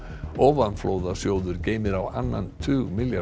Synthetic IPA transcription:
ɔːvanfloːwðasjoːwðʏɾceːjmɪɾawa̰nːa̰nt̪ʰʏːɣmɪlja

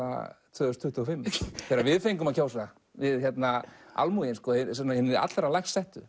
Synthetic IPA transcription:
a̰t̪ʰvœːðʏst̪ʰʏht̪uɔfɪmːʰɛɾavɪðfejŋkʏmacʰowsa | vɪðçjɛt̪naa̰lmujɪnskɔːsɛnahɪnːɪɾa̰t̪lɾalajxssɛht̪ʏ̰

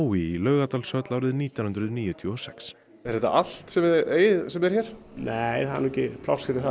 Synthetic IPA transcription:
wiilœːɥɣat̪aːlsœt̪lawɾɪðniːt̪janhʏnɾʏðniːjʏt̪ʰjuɔsɛks | ɛɾhɛt̪ːa̰ʔal̥t̪sɛmðɛɾeːjðsɛmɛɾ̥çɛːɾ̥ | nejθannɛcɪpʰla̰wscɪɾɪθa

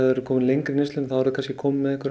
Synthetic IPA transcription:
ɛɾʏkʰɔːmɪnlejŋkɾɪnɪst̪ʏnmθaɛɾðʏkʰanscɪkʰɔːmɪmːɛðɛhkʏɾ

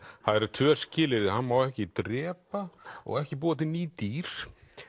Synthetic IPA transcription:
haðɛɾat̪ʰvœ̥ːscɪːlɪɾðɪhanmawɛhcɪt̪ɾɛːpaɔ̰ɣɛhcɪpuːwat̪ɪniːt̪iɾ̥

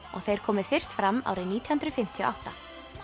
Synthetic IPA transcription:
ɔ̰ɣθejɾ̥kʰɔːmɪ̥fɪr̥st̪fɾamːa̰ːwɾɪniːt̪ihɨnt̪ɾʏfɪm̥t̪ʰjɔ̰ʔa̰wht̪a

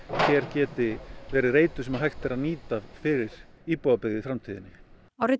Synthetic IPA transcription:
çɛɾ̥cɛːt̪ɪvɛːɾɪɾeːjt̪ʏsɛmaɦajxt̪ɛɾaðniːt̪afɪɾɪɾ̥ | iːpɔːapɪɣðɪfɾamt̪ʰiːðɪnːɪ | awɾɪ

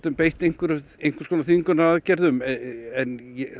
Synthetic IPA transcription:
t̪ʏmpejht̪ejŋ̥kvʏɾejŋ̥kvʏ̥skʰɔnaθiŋkʏnaaðcɛɾðʏmɛnjɛ

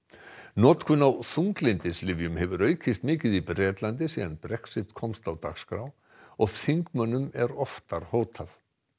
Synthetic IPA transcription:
nɔːt̪kʰʏnawθuŋklɪnt̪ɪslɪvjʏmɦɛvʏɾœːɥcʰɪst̪mɪːcɪðipɾɛːt̪lant̪ɪsiːðanpɾɛksɪt̪kʰɔmst̪awt̪a̰xskɾaw | ɔɣθiŋkmœnːʏmɛɾɔft̪aɾ̥hoːwt̪ʰaθ

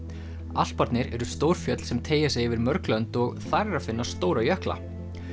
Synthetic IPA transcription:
al̥t̪̚paɾt̪nɪɾɛɾʏst̪owɾ̥fjœt̪l̥sɛmt̪ʰeːjasɛɣɪvɪɾmœɾklœnt̪ɔɣθajrafɪnːast̪oːwɾajœhkla̰

